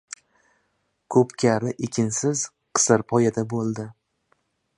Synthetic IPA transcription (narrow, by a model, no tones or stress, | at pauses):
kʰɵpkʲʰaɾɪʔekʲʰɪnsɪz | qʰɨ̥sɨɾpʰɒjad̪abolˠd̪ɪ